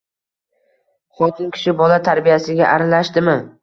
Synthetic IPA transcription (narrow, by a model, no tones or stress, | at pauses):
χɒt̪ʰɪnkʲʰɪ̥ʃɪbɒlat̪ʰaɾbijasɪɡʲaʔaɾalaʃt̪ɪmɪ